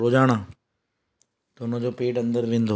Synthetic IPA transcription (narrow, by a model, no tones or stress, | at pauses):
ɾoːd͡ʒaːɽ̃aː | t̪ɐʊnə̃d͡ʑoːpeːʈɐ̃nd̪əɾʋẽːn̆d̪ʱo